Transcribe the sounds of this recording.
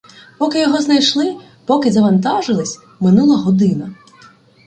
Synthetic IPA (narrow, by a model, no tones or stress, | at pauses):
pɔkɪjɔɦɔznɐjʃlˠɪ | pɔkɪzɐʋɐnt̪ɑʒɪlˠɪsʲ | mɪnulˠɐɦɔd̪ɪnɐ